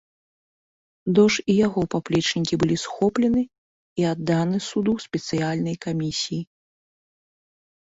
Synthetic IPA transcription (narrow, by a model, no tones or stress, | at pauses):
d̪ɔʂijaɣɔpaplʲɛt͡ʂnʲikʲibɨlʲisxɔplʲɛnɨ | iad̪ːanɨsud̪uwsʲpʲɛt̪sɨjalʲnɐjkamʲisʲiji